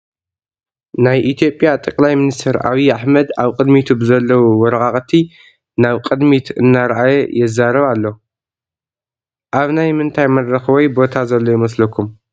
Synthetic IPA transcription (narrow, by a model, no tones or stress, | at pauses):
najʔit̪ʰijo̞pʼjat̪ʼɐkʼlajmɨnist̪ʰɐɾa̰βiaħmɐd̪aβkʼɨd̪mit̪ʰubɨzɐlːɐwuwɔɾɐkʼaχʼt̪ʰi | naβkʼɨd̪mit̪ʰɨ̰nːaɾʔajɛjɛzːaɾɐβalːo | ʔaβnajmɨnt̪ʰajmɐrːɐxɨβojbo̞t̪ʰazɐlːojimɐslɐkʰum